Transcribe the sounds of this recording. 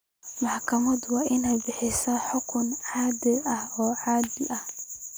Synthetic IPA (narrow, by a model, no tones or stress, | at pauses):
mɐħkʰɐmɐd̪waːʔɪnɛjbɪħɪsɐħʊkʰʊnʕaːd̪ɪɐhɔːʕaːd̪ɪʔɐh